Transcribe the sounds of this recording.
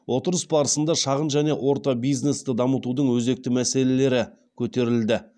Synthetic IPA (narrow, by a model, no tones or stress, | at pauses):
wʔo̞t̪əɾəsbɑɾəsənd̪ɑʃɑʁənʒæne̞ʔwʔo̞ɾt̪ɑbijzne̞st̪ɪd̪ɑmət̪ud̪əɴwɵze̞k̚t̪ɪmæse̞le̞le̞ɾɪ | kʲʰɵt̪e̞ɾɪld̪ɪ